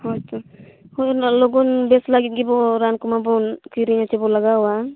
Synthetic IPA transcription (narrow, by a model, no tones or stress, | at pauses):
hɔjtɔhɔjnalɔɡɔnbɛslaɡit̪̚ɡibɔɾankumabɔnkiɾiɲatɛbɔlaɡawwa